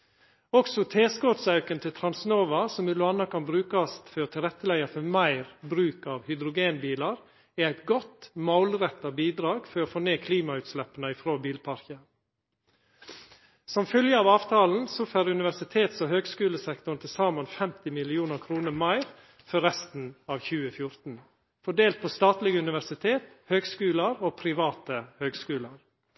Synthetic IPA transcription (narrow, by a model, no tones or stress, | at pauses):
ɔksɔt̪ʰeːskoːt̪sɑʉkənt̪ʰɪlt̪ʰɾɑnsnoːʋɑsɔmɪlʊɑnːɑkɑnbɾʉːkɑst̪fɔt̪ʰɪlɾɛt̪ːəlæɪɑfɔmæɪɾbɾʉːkɑːʋhʏd̪ɾʊɡeːnbiːlɑɾ | ææɪt̪ɡɔt̪maʊlɾɛt̪ːɑbiːd̪ɾɑːɡfɔɾofoːneːkʰliːmɑʉːt̪slɛpːənəɪfɾoːbiːlpʰɑɾçə | sɔmfœljəɑːʋɑːʋt̪ʰɑːln̩sɔføːɾʉnɪʋæsɪt̪ʰeːt̪sohøːɡskʉːləsɛkt̪ʊnt̪ʰɪsɑːmənfɛmt̪ɪmɪlɪuːnəɾkʰɾuːnəɾmɑɪɾ | fɔɾɛst̪n̩ɑːʋçʉːəfjʊɾt̪n̩ | fɔɖeːlt̪̚pʰoːst̪ɑːt̪lɪɡəʉnɪʋæɾsɪt̪ʰeːt̪ | høːɡskʉːləɾoːpʰɾɪʋɑːt̪əhøːɡskʉːləɾ